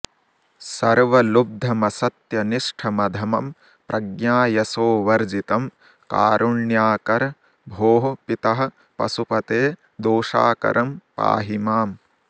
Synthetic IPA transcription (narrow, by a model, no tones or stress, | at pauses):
sɐɾʋɐlub̚d̪ʱːɐmɐsɐt̪jɐniʂʈʰɐmɐd̪ʱɐmɐm | pɾʔɐɡnjaːjɐsoːʋɐɾd͡ʒit̪ɐm | ka̰ːɾʔuɳjaːkɐɾ | bʱoːɦɐpit̪ɐɦɐ̆ | pɐ̰supɐt̪eː | d̪oːʃa̰ːkɐ̰ɾɐmpa̰ːɦimaːm